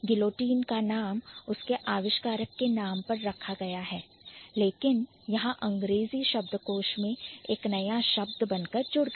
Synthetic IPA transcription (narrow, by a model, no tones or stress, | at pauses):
ɡɪloːʈiːnkanaːmʊskeʔaːʋɪʃkaːɾəkːenaːmpɐɾːɐkʰaɡɐjaɦɛː | leːkɪn | jɐɦãʔɐ̃ŋɡɾeːziʃɐbd̪koːʃmẽeːknɐjaʃɐb̚d̪bɐnkɐɾd͡ʒʊɽɡ